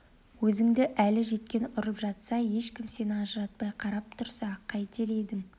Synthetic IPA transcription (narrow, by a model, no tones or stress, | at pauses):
wɵzɪŋd̪ɪʔælɪʒe̞t̪̚kʲe̞nʊɾəpʒɑt̪sɑje̞ʃkʲɪmse̞nɑʒəɾɑt̪̚pɑjqʰɑɾɑp̚t̪ʰʊɾsɑqʰɑjt̪ʰe̞ɾe̞d̪ɪŋ